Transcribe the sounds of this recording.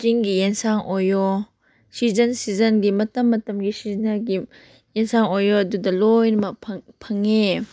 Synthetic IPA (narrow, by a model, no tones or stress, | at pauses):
kiŋɡijensaŋʔojɔ | sizɐnsizɐnɡimɐtɐmːɐtɐmɡisiznɐɡi | jensaŋojɔɐdudɐlojnɐmɐkpʰŋpʰɐŋːe